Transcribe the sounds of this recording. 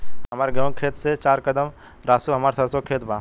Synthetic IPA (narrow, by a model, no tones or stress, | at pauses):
ɦɐmaːɾeɡɐ̃ːkʰeːt̪set͡ʃaːɾkəd̪əm | ɾaːsuɦɐmaːɾsɐɾsokʰeːt̪baː